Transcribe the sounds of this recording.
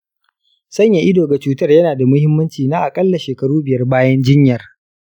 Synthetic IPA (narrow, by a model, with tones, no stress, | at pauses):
sɐ˦ɲja˨ʔɪ˦doː˨ɡa˨t͡ʃuː˦tɐ˦rjɐ˦naː˨da˨mʊ˦hɪ˦mːɐ˦nt͡ʃiː˨naː˦ʔa˨kʼɐ˦lːa˨ʃeː˨kɐ˦ɽuː˦bɪ˨jɐ˦rbaː˦jɐ˦nd͡ʒɪ˦ɲjɐ˨r